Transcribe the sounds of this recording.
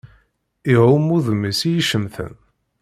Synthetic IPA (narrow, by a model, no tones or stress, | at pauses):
iʁʊmːuðəmːisijiʃəmθə̰n